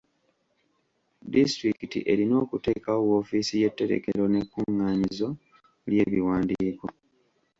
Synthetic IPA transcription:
distɾikitḭʔe̞ɾino̞ːkute̞kaowoːfiːsije̞tːe̞ɾe̞̰ke̞ɾo̞ne̞kːuŋːaːɲizo̞ | lje̞βiwaːndiːko̞

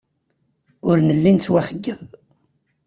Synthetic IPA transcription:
ʊɾnəlːint͡swæχəɡːəv

